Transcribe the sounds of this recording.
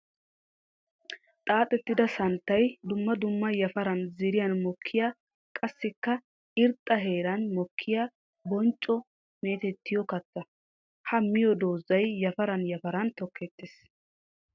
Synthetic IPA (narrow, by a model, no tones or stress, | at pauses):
t̪ʼaːt̪ʼɛt̪ːɪd̪ɐsɐnt̪ːɐjd̪ʊmːɐd̪ʊmːɐjɐfɐɾɐnzɪɾɪjɐnmɔkʰːɪja | kʼɐsːɪkːɐ | ɪɾt̪ʼːɐɦe̞ːɾɐnmɔkʰːɪja | bɔnt͡ʃʼːɔ | me̞ːt̪ɛt̪ːɪjɔkɐt͡s̪ːɐ | hɐmːɪjɔd̪oːzːɐjːɐfɐɾɐnjɐfɐɾɐnt̪ɔkʰːɛt̪ːɪs